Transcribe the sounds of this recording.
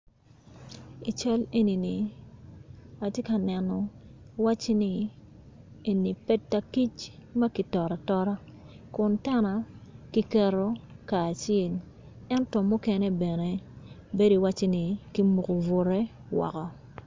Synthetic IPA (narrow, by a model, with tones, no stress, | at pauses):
i˨t͡ʃa˦le˦ni˨ni˨ | a˨tje˦ka˨nɛ˨nɔ˨wa˦t͡ʃe˦ni˨ | e˨ni˨pɛ˦tːa˦ki˦t͡ʃmɐ˦ki˨tɔ˨ɾa˨tɔ˦ɾa˦ | kʊ˨ntɛ˦na˨ki˦kɛ˨ɾo˦kaː˨t͡ʃe˨l | ɛ˦ntɔ˨mʊ˦ke˦ne˦bɛ˨ne˨ | be˦doi˨wa˦t͡ʃe˦ni˨ki˦mu˨ko˨vʊ˨ɾɛ˦ | wɔ̰˨kɔ˦